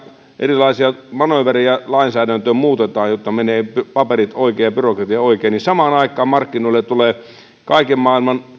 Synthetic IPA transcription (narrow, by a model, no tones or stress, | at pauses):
ʔḛrilɑisiɑmɑnoʋærejɑlɑinsæːdænt̪øːmuːt̪et̪ɑːjjot̪ːɑmeneːppɑperit̪oˑikeːjɑpyrokrɑt̪iɑoikeːnisɑmɑːnɑˑikːˑɑːmmɑrkːinoilːet̪t̪uleː | kɑikemmɑːilmɑn